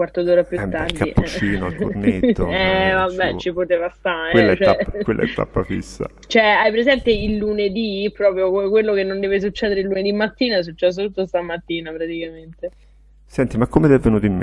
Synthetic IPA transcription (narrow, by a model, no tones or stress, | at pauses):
wart̪od̪oːɾapjuardkaiuɛt͡ʃiːnoa̰lko̰rnet̪ːo̰ɛvabːɛt͡ʃːipot̪eːvast̪aɾewelːaɛt͡ʃoakwelːʔaɛ̰t̪ːa̰pːa̰fḭsːa̰ | t͡ʃoɛajpeɾezɛnt̪eilːuned̪ipɾɔːpɾjokomekwelːokenːond̪ɛːves̬ut͡ʃːɛːd̪eɾeilːuned̪imːat̪ːiːnaɛs̬ut͡ʃːɛs̬ot̪ut̪ːos̬t̪amat̪ːiːnapɾat̪ikament̪e | sɛnt̪imakːomed̪ɛvːenuːt̪oimme